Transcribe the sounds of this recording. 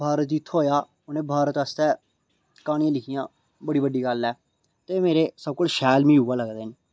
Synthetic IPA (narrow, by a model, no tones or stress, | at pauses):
bʱaːɾət̪d͡ʒɪt̪ʰːoːjaː | ʊnẽːbʱaːɾət̪əst̪ɛː | kaːɽ̃ijãːlɪkʰɪjãː | bəɽiːbəɖiːɡəlɛː | t̪eːmeːɾeːsəb̚kʊlʃɛːlmĩːɦuːaːləɡd̪eːneː